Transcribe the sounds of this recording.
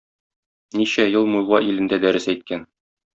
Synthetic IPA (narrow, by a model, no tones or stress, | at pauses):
niɕæjɤlˠmujlˠʁɑʔilɘ̆nd̪æd̪æɾɘsæjt̪̚kæn